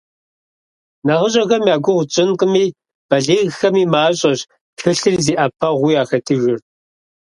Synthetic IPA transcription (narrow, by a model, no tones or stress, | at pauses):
nɐʁəɕʼɐxɐmjaːɡʷʊʁʷʊt͡ʃʼɪnqʼəmiː | b̥ɐɮeːɣxɐmiːmaːɕʼɐɕ | pʰɨɬɨrziːʔɐpʰɐʁʷʊjaːxɐtʰɨɣɨr